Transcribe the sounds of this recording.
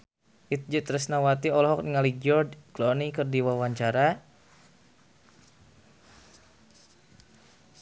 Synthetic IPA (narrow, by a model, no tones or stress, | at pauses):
ʔit̪̚d͡ʒət̪ɾəsnawat̪iɔlɔɦɔk̚niŋaliɡiɔrdklɔnikərdiwawaɲt͡ʃaɾa